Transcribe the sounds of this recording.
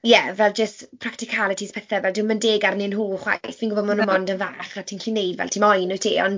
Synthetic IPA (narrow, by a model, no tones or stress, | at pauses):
jɛvɛlˠd͡ʒəstpʰraktɪkʰalˠətʰispʰɛθɛvɛldɪməndeːɡarnɪnɦuːχwa̰jθvinɡʊvɔmanunmɔndənva̰ːχatʰiːnɬʰinejdvɛ̰lˠtʰiːmɔjnʊtʰḭːɔ̰n